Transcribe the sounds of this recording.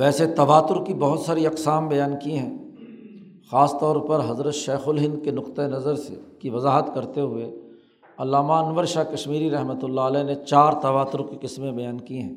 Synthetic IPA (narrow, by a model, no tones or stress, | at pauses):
ʋɛːset̪ɐʋaːt̪ʊɾkibɐɦʊt̪saːɾiɐqsaːmbɐjaːnkiɦɛ̃ː | xaːst̪ɔːɾpɐɾɦɐzɾət̪ʃeːxʊlɦɪ̃nd̪̚kenʊqt̪aenɐzəɾsḛkiʋɐzaːɦət̪kɐɾt̪eɦʊe | ɐlːaːmaɐnʋəɾʃaːkɐʃmiːɾiɾɐɦmət̪ʊlːaəlɛːnet͡ʃaːɾt̪ɐʋaːt̪ʊɾkiqɪsmẽbɐjaːnkiɦɛ̃ː